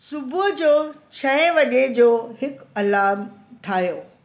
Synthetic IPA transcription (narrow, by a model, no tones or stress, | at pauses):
sʊbʊɦd͡ʑoːt͡ɕʰɐẽʋɐʄed͡ʑoːɦɪkɐlaːmʈʰaːjoː